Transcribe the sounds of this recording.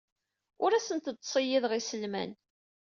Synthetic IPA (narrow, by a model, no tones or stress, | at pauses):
ʊɾæsənt̪ət̪ˤːsˤijiðʁisəlmæ̰n